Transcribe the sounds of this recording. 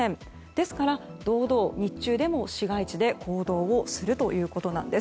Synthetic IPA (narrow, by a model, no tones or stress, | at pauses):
ẽn | d̪̥e̞sɨ̥kaɾa | d̪̥o̞ːd̪o̞ːɲ̟it͡ɕːɨːd̪e̞mo̞ɕiɡait͡ɕid̪e̞kʰo̞ːd̪o̞ːosɨɾɯ̟t̪o̞jɯ̟ːko̞t̪o̞nã̰nd̪e̞s